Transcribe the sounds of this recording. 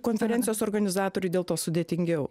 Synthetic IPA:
koːnʲfʲɛɾʲɛnt̪ʲjoːsoːɾɡɐnʲɪzɑːt̪oːɾʲʊd̪ʲeːlˠt̪oːsʊd̪ʲeːt̪ʲɪŋʲɡʲɛʊ

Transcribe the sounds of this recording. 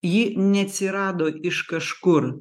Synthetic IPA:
jiːnʲɛɐt̪ʲsʲɪɾɑːd̪oːʔɪʃkɐʃkʊɾ

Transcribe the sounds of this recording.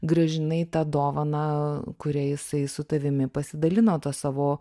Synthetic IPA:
ɡɾɐʒʲɪnɐɪt̪ɑd̪oːʋɐnɑːkʊɾʲɛjɪsɐɪsʊt̪ɐʋʲɪmʲɪpɐsʲɪd̪ɐlʲɪnoːt̪ɐsɑːʋoː

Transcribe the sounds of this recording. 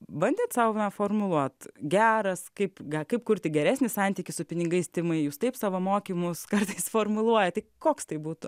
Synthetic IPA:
bɐnʲd̪ʲeːt̪sɑʊnɐfoːrmʊlˠuɔt̪ɡʲæːɾɐskɐɪpɡʲɐkɐɪpkʊɾʲt̪ʲɪɡʲɛɾʲæːsʲnʲɪsɑnʲt̪ʲiːkʲɪsʊpʲɪnʲɪɡɐɪst̪ʲɪmɐɪjuːst̪ɐɪpsɑːʋomoːkʲiːmʊskɐrt̪ɐɪsfoːrmʊlˠuɔjɛt̪ɐɪkoːkst̪ɐɪbuːt̪ʊ

